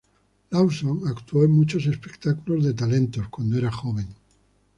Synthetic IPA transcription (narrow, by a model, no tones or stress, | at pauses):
lawsoŋakt̪woe̞ŋmut͡ʃo̞s̬e̞spekt̪akulo̞zðe̞t̪̬alẽ̞nt̪o̞skwand̪oeɾaxo̞β̞e̞ŋ